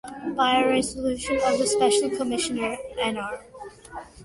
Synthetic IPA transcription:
b̥aɪəɹɛzəlʉʃɨ̃nʌvðəspɛʃl̩ˠkʰəmɪʃɨnə˞ʔɛ̃nɑɹ

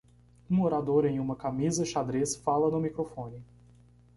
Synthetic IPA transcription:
ũoɾad̪oɾẽj̃ũmɐkamizɐʃad̪ɾesfalɐnʊmikɾofõnɪ

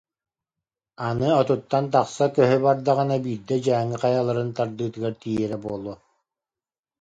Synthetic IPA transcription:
anɯɔt̪ut̪ːant̪aχsakœɦœbaɾd̪aʁanabiːɾd̪ɛd͡ʑæːŋːiqajalˠaɾɯnt̪aɾd̪ɯːt̪ɯɡaɾt̪ijɛɾɛbuɔlˠuɔ

